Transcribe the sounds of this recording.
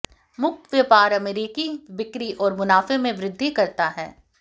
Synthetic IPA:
mʊk̚t̪ʋjəpaːɾɐmeɾiːkiʋɪkɾiʔɔːɾmʊnaːfemẽʋɾɪd̪ʱːikɐɾt̪aɦɛ̰ː

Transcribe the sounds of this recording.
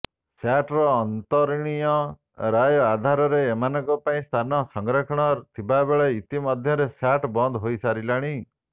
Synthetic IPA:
saʈɾɔːnt̪ɔɾiɽ̃ijɔ | ɾajɔad̪ʱaɾɔɾeːmanɔ̃ŋkɔpaĩst̪ʰanɔsɔŋɡɾɔkʰɔɽ̃ɔt̪ʰibabeɭeit̪imɔd̪ʱjɔɾesaʈbɔnd̪ʱɦojsaɾilaɽ̃i

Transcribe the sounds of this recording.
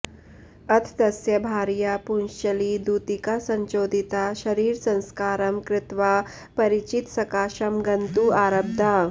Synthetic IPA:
ɐt̪ʰd̪ɐsjɐbʱaɾjapunʃɐliːd̪ut̪ikasɐɲt͡ʃoːd̪ʱit̪aʃɐɾiːɾsɐ̃w̃skaːɾɐmkɾɪt̪ʋa | pɐɾit͡ɕit̪sɐkaːʃɐmɡɐnt̪uːaɾɐb̚d̪ʱa

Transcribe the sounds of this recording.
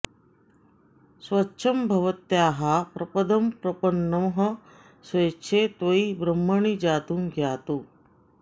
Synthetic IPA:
sʋɐːʃʰɐmbʱɐʋɐt̪jaːɦapɾɐpɐd̪ɐmpɾɐpɐnːɐmɦɐ̆ | sʋɐjt͡ʃʰet̪ʋɐibɾɐmːɐɳid͡ʒaːt̪umɡʱjaːt̪u

